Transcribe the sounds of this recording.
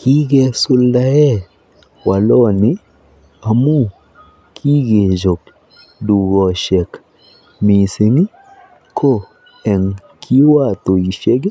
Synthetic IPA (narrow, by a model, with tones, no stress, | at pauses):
kʰi˦ɡɛ˨sʊ˧lda˦jɛ˦ | wa˨lɔ˦nɪ˦ | a˨mu˦ | kʰi˦ɡe˨d͡ʒo˨k | du˨ɡɔ˨ʃɛ˨k | mi˨se˨˦ŋi˦ | kʰo˦ | ɛ˨ŋ | kʰi˦wa˦˨t̪o˨i˨ʃe˦ɡe˦